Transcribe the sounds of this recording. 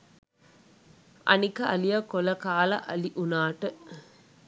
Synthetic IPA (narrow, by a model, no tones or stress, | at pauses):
ʔɐ̰nikɐɐlijɐkolɐkaːlɐ̰ʔɐ̰liʔunaːʈə